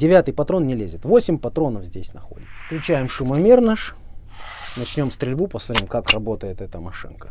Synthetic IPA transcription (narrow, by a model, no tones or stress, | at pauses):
dʲɪvʲat̪ɨjpɐt̪ɾo̞nːnʲɪlʲezʲɪt̪vo̞sʲɪmʲpɐt̪ɾo̞nəfzʲdʲesʲnɐxo̞̰dʲɪt̪sə̥klʲʊt͡ɕæjɪmʂʊmɐmʲernaʂ | nɐt͡ɕnʲo̞mst̪ɾʲɪlʲbupəsmɐt̪ʲimkakrɐbo̞t̪əjɪt̪ɛt̪əmɐʂɨ̰nkə